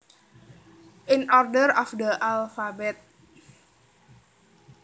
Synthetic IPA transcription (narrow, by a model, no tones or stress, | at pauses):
ʔinɔrdəɾɔfd̪əʔalfabɛt̪̚